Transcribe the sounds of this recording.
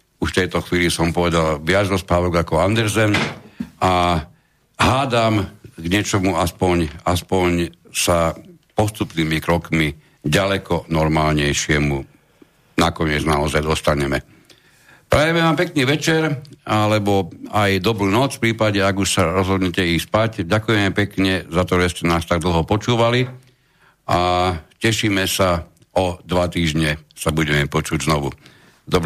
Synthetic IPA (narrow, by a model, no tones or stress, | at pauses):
uʃft̪ɛjt̪ɔxʋiːlisɔmpɔʋɛd̪alʋɪad͡zɾɔspaːbɔɡakɔand̪ɛɾzɛnʔa | ɦaːd̪amɡɲɪɛt͡ʃɔmuaspɔɲaspɔɲsa | pɔst̪upniːmikɾɔkmi | ɟalɛkɔnɔɾmaːlɲɛjʃɪɛmu | nakɔɲɪɛd͡znaɔzajd̪ɔst̪aɲɛmɛ | pɾajɛmɛʋaːmpɛkniːʋɛt͡ʃɛɾalɛbɔajd̪ɔbɾuːnɔt͡sfpɾiːpaɟɛaɡuʃsaɾɔzɦɔd̪ɲɛcɛispacɟakujɛmɛpɛkɲɛzat̪ɔʒɛscɛnaːst̪aɡ̚d̪l̩ˠɦɔpɔt͡ʃuːʋali | ʔacɛʃiːmɛsa | ɔd̪ʋat̪iːʒɲɛsabuɟɛmɛpɔt͡ʃuɟznɔʋu | d̪ɔb